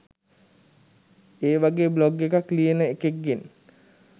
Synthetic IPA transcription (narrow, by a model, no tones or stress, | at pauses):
eːʋaɡeːbloɡːekaklijənəekeɡːen